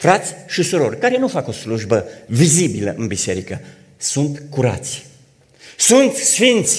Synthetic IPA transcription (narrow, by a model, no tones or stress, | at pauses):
fɾat̪sʲʃisuɾo̞rʲkaɾe̞nufako̞sluʒbəvizibilə̰ʔɨnbise̞ɾikə | sunt̪kuɾa̰t̪sʲ | sunt̪sfint̪sʲ